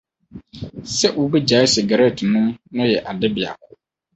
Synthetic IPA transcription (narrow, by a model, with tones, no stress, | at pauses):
sɛ˦ʔʊ˦bi˦d͡ʑa˨˦ɪ˦sɪ˨ɡa˨ɾe˦˨tʰnʊ̃˦nʊ̃˦jɛ˨ʔa˨dɪ˦bɪ˨a̰˨kʰʊ˦